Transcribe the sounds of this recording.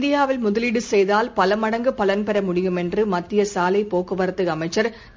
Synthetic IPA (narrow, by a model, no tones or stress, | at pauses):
d̪ɪjaːʋɪlmʊðɐlɪɽɯsɛjðaːlpɐlɐmɐɽɐŋɡɯpɐlɐnpɛɾɐmʊɽɪjɯmɛndrɯmɐt̪ːɪjɐsaːlɐɪpːoːkɯʋɐɾɐt̪ːɯɐmɐɪt͡ʃːɐɾ